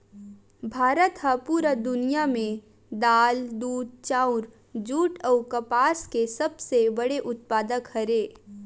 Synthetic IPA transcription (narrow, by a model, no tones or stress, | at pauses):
bʱaːɾət̪ɦəpuːɾəd̪ʊnijamẽ | d̪aːld̪uːd̪̚t͡ʃãːʊɾ | d͡ʒuːʈɔːkɐpaːskesɐbsebəɽeʔʊt̪̚paːd̪əkhəɾeː